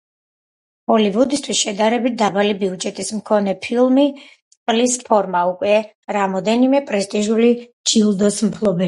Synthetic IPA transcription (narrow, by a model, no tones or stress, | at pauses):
hɔlivud̪ist̪ʰwisʃɛd̪aɾɛbit̪̚ʰd̪abalibiud͡ʒɛt̪ʼismkʰɔnɛpʰilˠmi | qʼlispʰɔɾmaukʼwɛ | ɾamɔd̪ɛnimɛpʼɾɛst̪ʼiʒulid͡ʒilˠd̪ɔsm̩pʰlˠɔbɛ